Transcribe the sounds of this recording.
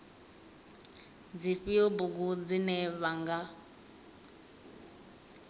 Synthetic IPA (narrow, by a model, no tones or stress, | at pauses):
d͡ziɸibuɡ̬ud͡zinɛβaŋɡa